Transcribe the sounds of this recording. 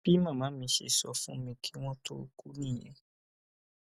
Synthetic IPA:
b̥i˦mã˦˨mã˨˦mĩ˧˦ʃḛ˨sɔ˨fũ˦mĩ˧kʰi˦w̃ɔ̃˦tʰo˦ku˦nĩ˦˨jɛ̰̃˨˦

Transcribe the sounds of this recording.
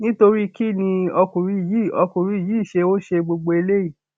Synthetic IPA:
nĩ˦to˧ɾi˦ki˦nĩ˧ɔ˧kũ˨ɾi˧i˨ji˨˦˨ɔ˧kũ˨ɾi˧i˨jiː˨˦i˦˨ʃe˧o˦ʃe˧ɡ͡bo˧ɡ͡bo˧e˧le˦i˦˨

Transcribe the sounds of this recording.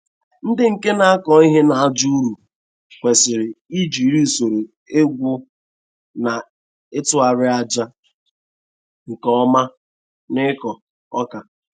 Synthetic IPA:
n̩˦dɪ˦ŋ̩˨ke˦na˨a˦kɔ˨˦i˦ɦe˦na˨a˦˨d͡ʒu˦ɾu˨ | kʷe˨sɪ˨ɾɪ˨i˦d͡ʒi˨ɾi˦˨so˨ɾe˨ | e˦ɡʷʊ˦ | na˨ | ɪ˦tʊ˦a˨ɾɪ˦a˦d͡ʒa˦ | ŋ̩˨kɔ˦ma˦ | nɪ˦kɔ˨ | ɔ˦ka˨

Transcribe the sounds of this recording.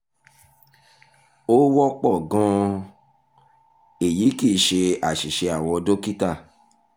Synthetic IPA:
o˦wɔ˦k͡pɔ˦˨ɡɔ̃˧˦ | e˨ji˨˦ki˦˨ʃe˧a˨ʃi˨ʃe˧a˦˨w̃ɔ̃˧do˦ki˦ta˦˨

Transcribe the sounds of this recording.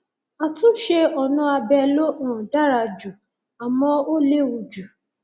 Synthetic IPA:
a˨tũ˦ʃe˧ɔ˨nũ˧a˧bɛ˧lo˦ɔ̃˦˨da˦ɾa˧˨d͡ʒu˨ | a˨mɔ̃˧o˦le˦wu˧d͡ʒu˨

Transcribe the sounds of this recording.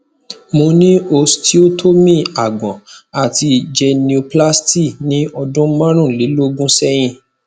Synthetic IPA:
mo˧nĩ˦o˧sti˦o˦tʰo˦mĩ˦˨a˨ɡ͡bɔ̃˨a˨ti˧d͡ʒɛ˧ni˨˧u˧pla˦sti˦˨nĩ˨˦ɔ˧dũ˦mã˦ɾ̃ũ˦˨li˨˦lo˦ɡũ˦sɛ˦j̃ĩ˦˨

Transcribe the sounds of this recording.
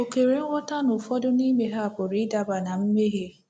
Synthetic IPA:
o˨ke˨ɾe˨ŋ̩˦wʷɔ˦ta˦nʊ˨fɔ˦dʊ˦ni˦me˨ɦa˦a˨pʊ˨ɾi˨˦da˨ba˨na˨m̩˦me˦ɦe˦

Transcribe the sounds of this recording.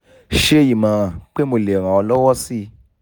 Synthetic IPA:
ʃe˦˧ji˨mã˨˦ɾã˨k͡pe˦mo˧˨le˨ɾ̃ã˨ɔ˧lɔ˦wɔ˦si˦

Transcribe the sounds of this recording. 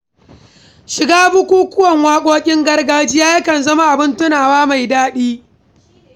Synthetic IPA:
ʃɪ˨ɡaː˦bʊ˦kʷuː˦kʷʊ˦wɐ˨ŋwaː˦kʷʼoː˦kʲʼɪ˦ŋɡɐ˦rɡaː˦d͡ʒɪ˦jaː˦jɐ˦kɐ˨nzɐ˦ma˦ʔa˨bɪ˦ntʊ˦naː˨waː˦ma˨jdaː˦ɗiː˦

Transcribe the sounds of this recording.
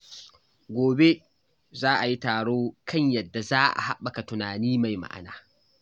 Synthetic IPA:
ɡʷoː˨be˦ | zaː˦ʔa˨ji˦taː˨ɽoː˦kɐ˦˨ɲjɐ˨dːa˨zaː˦ʔa̰˨ha̰˦ɓa˨ka˨tʊ˨naː˨niː˦ma˨jma̰˦ʔa̰˨na̰ː˨

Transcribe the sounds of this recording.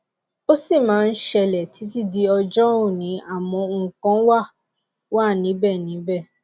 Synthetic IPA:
o˦si˦˨mãː˨˦˧n̩˦ʃɛ˧lɛ˨ti˨˦t̬i˦˨di˧ɔ˧d͡ʒɔ˦ũ˦˨nĩ˨˦a˦˨mɔ̃˧ŋ̩˦˨kã˦wa˦˨ | wa˦˨nĩ˨˦bɛ˦˨nĩ˨˦bɛ˦˨

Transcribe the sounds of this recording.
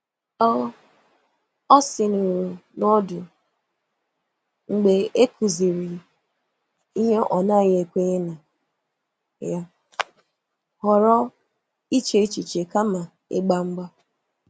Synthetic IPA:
ɔ˦ | ɔ˦sɪ˨nu˨ɾu˨nɔ˦dʊ˨ | ŋ͡m̩˨ɡ͡be˨e˦kʰu˨zi˨ɾi˨ | i˦ɲe˦ʔɔ˨na˦˨ɲ˦e˨kʷe˦e˦na˨ | ja˦ | hɔ˨ɾɔ˦ | i˦t͡ʃe˨˦i˦t͡ʃi˨t͡ʃe˨ka˦ma˨ | ḛ˦ɡ͡ba˦ŋ͡m̩˦ɡ͡ba˦

